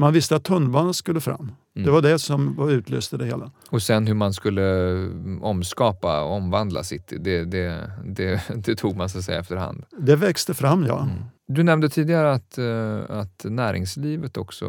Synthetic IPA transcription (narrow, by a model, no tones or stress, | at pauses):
manvɪst̪əat̪ʰːɵnːbɑːnənskɵlːəfɾa̰mː | ɛvaɖɛsɔmvaɾʉ̟ːt̪ʰlø̰ːst̪əd̪ɛhḛːla | ɔsɛnhɵmanskɵlːə | ɔmskɑːpaɔmvand̪lʔa̰sɪt̪ːɪd̪ɛd̪ɛd̪ɛd̪ɛt̪ʰuːɡ̚mans̬ɔt̪sɛjːaɛft̪əɾha̰nd̪̥d̪ɛvɛkst̪əfɾamːjɑ̰ːd̪ɵnɛmnd̪ət̪ʰiːd̪ɪɡaɾəat̪at̪næːɾʔɪ̰ŋsliːvət̪ɔksɔ̰